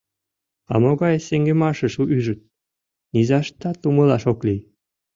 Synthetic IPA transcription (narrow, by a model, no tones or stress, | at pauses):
ɑ̰moɣɑjseŋɡĕmɑʃĕʃuʔyʒə̆t̪̚ | nizɑʃt̪ɑt̪umɤlɑʃoklij